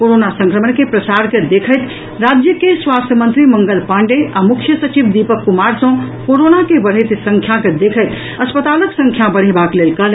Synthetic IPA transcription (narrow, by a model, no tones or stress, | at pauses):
koɾonasə̃ŋkɾəmənkepɾəsaɾked̪ekʰəjt̪ | ɾad͡ʒjəkeswast̪ʰjəmənt̪ɾiməŋɡəlpãɳɖeʔamukʰjəsət͡ʃibd̪ipəkːumaɾsə̃koɾonakebəɽɦəɪt̪sə̃ŋkʰjaked̪ekʰəɪt̪ | əspət̪aləksə̃ŋkʰjabəɽ̤ebaklelkəl